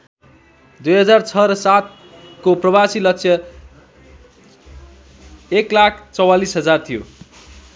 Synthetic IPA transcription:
d̪ujɦʌd͡zart͡sʰʌɾʌsat̪̚ | koprʌbasilʌk̚sʰjʌ | eklakʰt͡sʌwalisɦʌd͡zart̪ʰijo̰

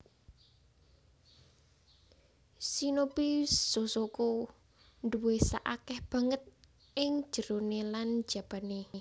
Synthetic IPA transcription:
sinopisosoko | nduwesaʔakɛhb̥ä̤ŋət̪̚ | ʔɪŋ̥ʒ̥ə̤ɾonelan̥d͡ʒ̥a̤b̥a̤ne

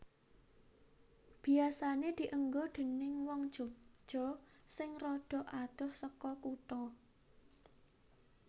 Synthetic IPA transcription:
b̥iasaned̪̥i̤ʔəŋɡod̪̥e̤nɪŋwɔŋd̥ʒ̥o̤d̥ʒ̥ɔ̤sɪŋrɔɖ̪̥ɔ̤ʔad̪̥ɔ̤hsəkɔkuʈɔ

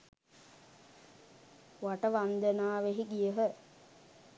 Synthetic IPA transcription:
ʋaʈəʋand̪ənaːʋeɦiɡijəɦə

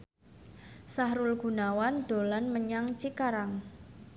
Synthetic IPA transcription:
saɦɾʊlɡ̥ṳnawand̪̥o̤lanməɲaŋt͡ʃikaɾaŋ

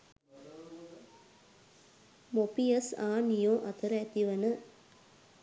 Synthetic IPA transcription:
mopijɐsaːnijõːʔɐt̪ɐɾɐːt̪iʋɐnɨ

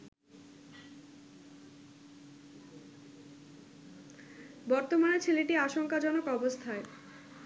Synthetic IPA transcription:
bɔɾt̪omanet͡ɕʰeleʈiaʃoŋkad͡ʑɔnokɔbost̪ʰae

